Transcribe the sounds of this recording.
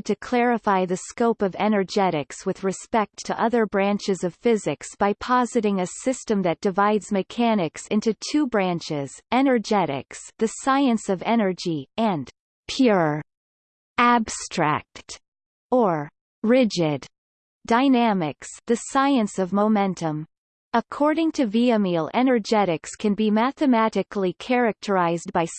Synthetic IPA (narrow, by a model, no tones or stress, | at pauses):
d̚tʰɨkʰl̥ɛɹɨfaɪðɨskoʊpʌvɛnə˞d͡ʒɛɾɪkswɨðɹɨspɛk̚tʰɨʔʌðə˞bɹæ̃nt͡ʃɨzʌv̥fɪzɨksb̥aɪpʰɑzɨɾɪ̃ŋɨsɪstɨ̃mðɨt̚d̥ɨvaɪdzmɨkʰænɨksɪ̃ntʉtʰʉbɹæ̃nt͡ʃɪz̥ɛnə˞d͡ʒɛɾɪ̰ksðɨsaɪɨ̃nsʌvɛnə˞d͡ʒiɨ̃n | pʰj̥ʊɹ | æb̥stɹ̥æ̰k̚t | ə˞ | ɹɪd͡ʒɪd | d̥aɪnæmɪksðɨsaɪɨ̃nsʌvmoʊmɛ̃ntʰə̃m | əkʰɔɹɾɪ̃ŋtʰɨviɨmilˠɛnə˞d͡ʒɛɾɨkskʰɨ̃nbimæθɨmæɾɨklikʰɛɹɨk̚tʰə˞aɪzdbaɪ